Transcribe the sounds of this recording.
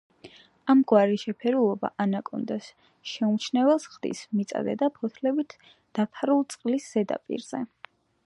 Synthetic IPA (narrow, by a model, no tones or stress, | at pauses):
amɡwaɾiʃɛpʰɛɾulˠɔba̰ʔanakʼɔnd̪as | ʃɛumt͡ʃʰnɛvɛlˠsχd̪ḭsmit̪sʼa̰d̪ɛ̰d̪apʰɔt̪ʰlɛbit̪ʰ | d̪̥apʰaɾulˠt̪sʼqʼlisz̥ɛd̪a̰pʼḭɾz̥ɛ